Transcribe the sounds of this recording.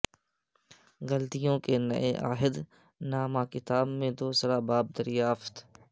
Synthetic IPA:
ɣɐlt̪ijõkenɐ̰ʔeʔa̰ːɦɪd̪ | naːmakɪt̪aːbmẽd̪oːsəɾabaːb̚d̪əɾjaːft̪

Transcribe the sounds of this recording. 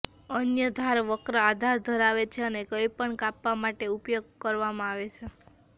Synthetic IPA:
ənjəd̪ʱaɾʋəkɾəad̪ʱaɾd̪ʱəɾaʋet͡ʃʰeənekəipəɳkapʋamaʈeupjoɡ̚kəɾʋamãaʋet͡ʃʰe

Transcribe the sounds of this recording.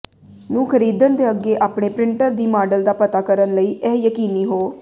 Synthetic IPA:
nũːkʰəɾiːd̪ənd̪eːəɡeːʔaːpɳeːpɾɪɳʈəɾd̪iːmaːɖəld̪aːpət̪aːkəɾənləiːʔɛːjəkiːniːɦoː

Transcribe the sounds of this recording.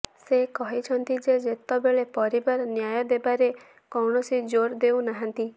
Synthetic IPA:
sekɔɦit͡ʃʰɔnt̪id͡ʒed͡ʒet̪ɔbeɭepɔɾibaɾnjajɔd̪ebaɾe | kɔwɳɔsid͡ʒoɾd̪ewnaɦant̪i

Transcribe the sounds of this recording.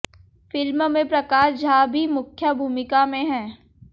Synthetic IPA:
fɪlmmẽpɾɐkaːʃd͡ʒɐɦãbʱimʊkʰjəbʱuːmɪkamẽɦɛ̃ː

